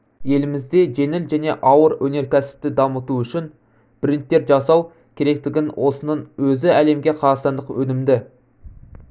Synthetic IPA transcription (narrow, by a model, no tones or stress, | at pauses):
je̞lɪmɪzd̪e̞ʒe̞nɪlʒæne̞ʔɑwəɾwɵne̞ɾkʲʰæsɪ̥p̚t̪ɪd̪ɑmət̪uʏʃɪn | b̥ɪɾɪnt̪ːe̞ɾʒɑsɑw | kʲʰe̞ɾe̞k̚t̪ɪɡʲɪnwʔo̞sənəɴwɵzɪæle̞mɡʲe̞qʰɑɾɑsɑnd̪əqwɵnɪmd̪ɪ